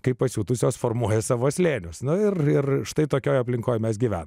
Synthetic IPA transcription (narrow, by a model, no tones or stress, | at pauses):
kɐɪpɐsʲuːt̪ʊsʲoːsfoːrmuɔjɛsɑːʋoːsʲlʲeːnʲʊsnʊɪrɪrʃt̪ɐɪt̪oːkʲoːjɐpʲlʲɪŋkoːjmʲɛs̬ɡʲiʋʲæ̰ːnɐm